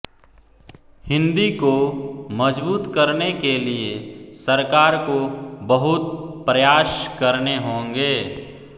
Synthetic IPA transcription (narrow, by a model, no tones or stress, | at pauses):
hɪ̃nd̪ikoməd͡ʒbuːt̪kɐɾnekeliesəɾkaːɾkobəɦʊt̪pɾɐjaːʃkɐɾneɦõːŋɡeː